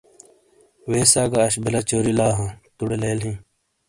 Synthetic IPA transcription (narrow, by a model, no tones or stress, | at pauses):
weːsaːɡaːɕbilɐt͡ɕoːɾilaːɦãt̪uɽeleːlɦĩː